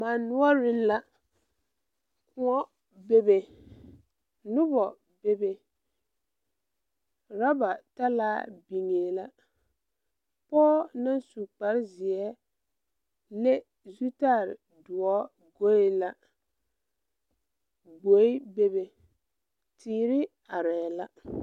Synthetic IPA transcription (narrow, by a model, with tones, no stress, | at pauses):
ma˨nʊ˦ɔ˦ɾɪ˦nla˦ | kʊ˦ŋɔ˦ | be˦be˨ | nʊ˦bɔ˨ | be˦be˨ | ɾa˦ba˨ta˦laː˦bi˨ŋeː˨la˦ | pɔː˦na˦nsu˨k͡pa˨ɾzɪ˨ɛ˦ | ne˦ | zu˦taː˦˨ɾɪ̰˨ | dʊ˨ɔ˦ | ɡo˦e˦la˦ | ɡ͡bo˨˦i˦be˦be˨ | tʰiː˨˦ɾɪ˦ | a˨ɾɛː˨la˦